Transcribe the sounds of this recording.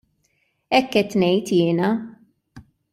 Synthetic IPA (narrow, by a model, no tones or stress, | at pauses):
ɛkːɛt̪ːnɛjt̪jɪːnɐ